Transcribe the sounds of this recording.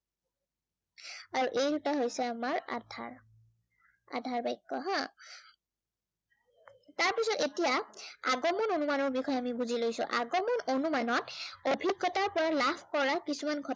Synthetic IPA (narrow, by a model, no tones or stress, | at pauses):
aɹuʔejdutaɦojsɛamaɹa̰dʱa̰ɹ | a̰dʱaɹbajkːɔ̰ɦã | taɹpisɔtetijaaɡɔmɔnonumanɔɹbixɔjamibuzilojsʊ̰̃ʔaɡɔmɔnonumanɔtobʱiɡːɔtaɹpɔɹalapʰkɔɹakisumanɡʱɔt